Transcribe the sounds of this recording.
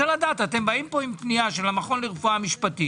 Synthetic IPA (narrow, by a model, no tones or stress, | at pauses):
aladat̪at̪e̞mbaimpo̞impniaʃelamaχo̞nliʁfuamiʃpat̪i